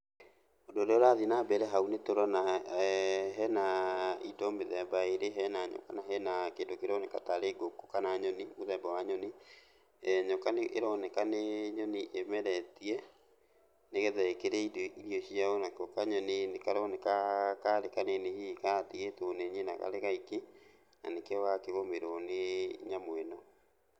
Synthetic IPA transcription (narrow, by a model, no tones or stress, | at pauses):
odoɾeoɾaðinabɛɾɛɦaunetoɾɔna | ɦɛnaidɔmeðɛbaeɾeɦɛnaɲɔ̰kanaɦɛnakeːndokeɾɔnekataɾeɡokokanaɲɔnimoðɛbawaɲɔne | ɲɔkaneʔeɾɔnekaneɲɔniʔemɛɾɛtiɛ | neɣɛðɛkeɾɛidoiɾiɔɕiaonakɔkaɲɔnenekaɾɔnekakaɾekanenehikatiɣetoneɲenaka̰ɾeɣaike | na̰nekewakeɣomeɾoneɲamwɛnɔ